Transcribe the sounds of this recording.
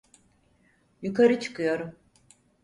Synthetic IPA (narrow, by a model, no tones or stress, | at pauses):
jukʰaɾɯt͡ʃʰɯ̥kʰɯjo̞ɾum